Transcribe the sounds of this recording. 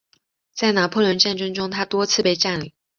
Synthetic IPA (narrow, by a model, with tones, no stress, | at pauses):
t͡sa˥˩ɪna˨˩˥pʰwɔ˥˩lwə˧˥nʈ͡ʂa˥˩nʈ͡ʂɤ˥ŋʈ͡ʂʊ˥ŋt̪ʰa˥t̪wɔ˥t͡sʰɹ̩˥˧pe˥˧ɪʈ͡ʂa˥˩nli˨˩˦